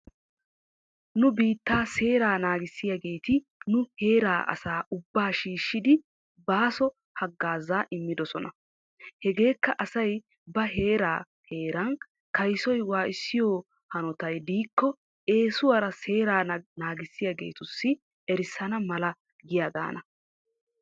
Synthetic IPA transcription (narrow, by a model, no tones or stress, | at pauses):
nʊbiːt̪ːaːse̞ːɾaːnaːɡɪsːɪjɐɡe̞ːt̪ɪ | nʊhe̞ːɾaːʔɐ̰saːʔʊbːaːʃiːʃːɪd̪ɪ | baːsɔ | hɐɡːaːzaːʔɪmːɪd̪ɔsɔnɐ | hɛɡe̞ːkːɐʔɐsɐj | bɐɦe̞ːɾaː | he̞ːɾɐn | kɐjsɔjwaːʔɪsːɪjɔː | hɐnɔt̪ɐjd̪iːkːɔ | e̞ːsʊwɐɾɐse̞ːɾaːnaːɡɪsːɪjɐɡe̞̰ːt̪ʊsːɪ | ɛɾɪsːɐnɐmɐlɐ | ɡɪjad̪a̰ːnɐ